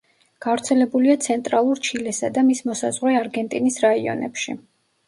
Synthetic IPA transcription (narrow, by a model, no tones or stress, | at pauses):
ɡ̥avɾt̪sʰɛlɛbuliat̪sʰɛnt̪ʼɾalˠuɾt͡ʃʰilɛsad̪amismɔsa̰zʁɾɛaɾɡɛnt̪ʼinisɾaiɔ̰nɛ̰pʃḭ